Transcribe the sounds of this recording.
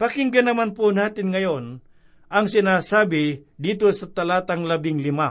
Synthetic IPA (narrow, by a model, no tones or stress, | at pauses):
pɐkɪŋɡɐnɐmanponaːt̪ɪnŋɐjon | ʔɐŋsɪnaːsaːbɪd̪iːt̪osɐt̪ɐlaːt̪ɐŋlɐbɪŋlɪma